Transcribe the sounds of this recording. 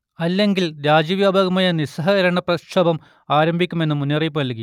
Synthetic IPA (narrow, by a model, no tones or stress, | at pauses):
ɐlːe̞ŋɡilɾaːd͡ʑiʋjaːbʱaɣɐmaːjɐnisɐɦɐiɾɐɳɐprɐʂɐbɐm | aːɾɐmbʱikʲːume̞nːumunːɐrip̬ːunɐlkːi